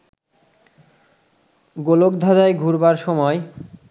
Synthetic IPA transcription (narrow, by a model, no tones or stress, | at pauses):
ɡolokd̪ʱad͡ʑaeɡʱuɾbaɾʃɔmɔe